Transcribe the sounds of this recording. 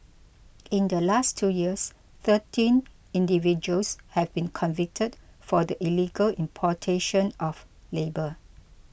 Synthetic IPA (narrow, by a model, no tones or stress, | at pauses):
ĩndəlastʰːujiəs | θətĩn | ĩndivid͡ʒuəlshɛvbĩnkʰɔ̃nvɪk̚tʰədfɔdəʔiliɡəlĩmpʰɔtʰeʃə̃nʔɔf | lebə